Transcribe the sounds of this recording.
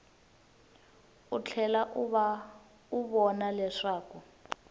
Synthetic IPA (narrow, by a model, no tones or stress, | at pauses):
ut͡ɬʰɛlaʔβa | uβɔnalɛʂaːku